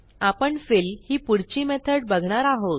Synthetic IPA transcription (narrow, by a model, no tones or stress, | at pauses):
apəɳfilhiːpuɽt͡ɕiːmɛt̪ʰəɽ̚bəɡʱɳaɾaɦot̪